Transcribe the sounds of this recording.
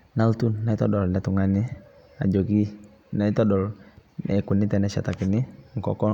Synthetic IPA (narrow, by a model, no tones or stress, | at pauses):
nalt̪unːait̪ɔdɔlnat̪uŋani | a̰d͡ʒɔɡi | nait̪ɔdɔlɛkunit̪ɛnasa̰t̪akiniŋkɔkɔ